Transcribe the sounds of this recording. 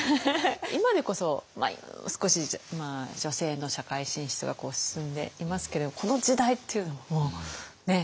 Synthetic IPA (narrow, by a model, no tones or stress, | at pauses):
imad̪e̞ko̞so̞ma̰sɨ̥ko̞ɕimad͡ʑo̞se̞ːno̞ɕakaiɕĩɰ̃ɕi̥t͡sɨɡako̞ːsɨ̥sɨ̃nd̪e̞̰imasɨ̥ke̞d̪ed̪omko̞no̞d͡ʑid̪ait̪ːe̞iɯ̟no̞βamoːne̞